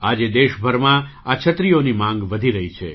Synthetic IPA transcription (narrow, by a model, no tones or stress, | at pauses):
ad͡ʒed̪eʃbʱəɾmã | at͡ʃʰət̪ɾijonimãŋɡʋəd̪ʱiɾəɦit͡ʃʰe